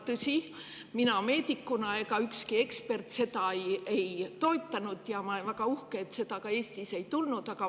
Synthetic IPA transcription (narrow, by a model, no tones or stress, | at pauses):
t̪ɤsʲi | minɑme̞ːd̪ikːunɑe̞kɑykskie̞kspe̞rt̪ˑse̞t̪ɑjejt̪o̞et̪ˑːɑnud̪̥jɑmɑlenvæɡ̥ɑuhkeet̪ːse̞t̪ɑkɑe̞ːsʲt̪ise̞jt̪ulnud̪̥ɑkɑ